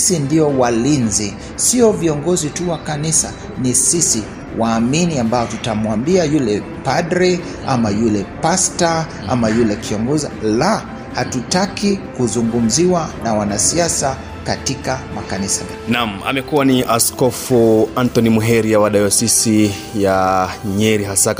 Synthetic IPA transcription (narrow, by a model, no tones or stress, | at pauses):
sindiɔwalinzi | siɔviɔŋɡɔzituwakanisa | nisisi | waːminiambaɔtutamwambiajulɛ | padɾɛ | amajulɛpasta | a̰majulɛkʰiɔŋɡɔzila | hatutakikuzuŋɡum̩ziwanawanasiasa | katikamakanisamanam̩a̰mɛkuwaniʔaskɔfuantɔnimuɦɛɾijawaɗajɔsisi | jaɲɛɾiɦasak